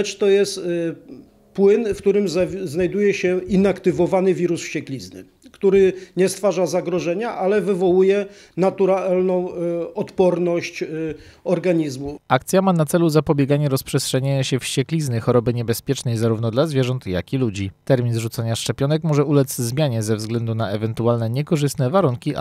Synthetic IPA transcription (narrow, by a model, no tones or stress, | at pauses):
t͡ʂt̪ɔjɛst̪ | pwɘnfkt̪uɾɘmzznajd̪ujɛɕɛinakt̪ɘvɔvanɘvʲiɾusfɕt͡ɕɛklʲiznɘ̰ | kt̪uɾɘɲɛst̪faʐazaɡɾɔʐɛɲaʔalɛvɘvɔwujɛ | nat̪uɾalnɔ̃w̃ɔt̪pɔɾnɔɕt͡ɕ | ɔɾɡaɲizmuakt̪sʲjamanat̪sɛluzapɔbʲjɛɡaɲɛɾɔspʂɛstʂɛɲaɲaɕɛfɕt͡ɕɛklʲiznɘxɔɾɔbɘɲɛbɛspʲjɛt͡ʂnɛjzaɾuvnɔd̪lazvʲjɛʐɔnt̪ja̰kʲilud͡ʑit̪ɛɾmʲinzʐut̪saɲaʂt͡ʂɛpʲjɔnɛkmɔʐɛʔulɛt̪szmʲjaɲɛzɛvzɡlɛnd̪unaɛvɛnt̪ualnɛɲɛkɔʐɘst̪nɛvaɾuŋkʲi